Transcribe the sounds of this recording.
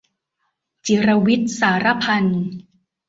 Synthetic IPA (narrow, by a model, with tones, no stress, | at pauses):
t͡ɕi˩˦ɾa˧wi˦˥t̪̚saː˩˦ɾa˦˥pʰa˧n